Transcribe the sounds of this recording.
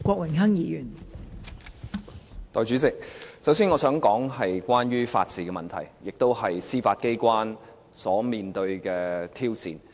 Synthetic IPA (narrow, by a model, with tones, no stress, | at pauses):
kʷɔː˧k̚wɪ˨˩ŋɦɐ˥ŋjiː˨˧jyː˨˩n | t̪ɔː˨jt͡ʃy˨˥t͡sɪ˨k̚sɐ˨˥ws̬iː˧nŋɔː˨˧sœː˨˥ŋkɔː˨˥ŋɦɐ˨jkʷaː˥njyː˥fa̰ː˧t̚t͡siː˨kɛː˧mɐ˨nt̪ʰɐ̰˨˩jjɪ˨k̚t̪o˥whɐ˨jsiː˥faː˧t̚ke˥jkʷwaː˥n | sɔː˨˥miː˨nt̪ɵ˧ɥkɛː˧t̪ʰiː˥wt͡sḭː˨˩n